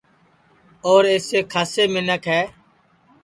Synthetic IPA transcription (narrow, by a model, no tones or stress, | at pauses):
oːɾeːseːkʰaːseːmɪnəkɦɛː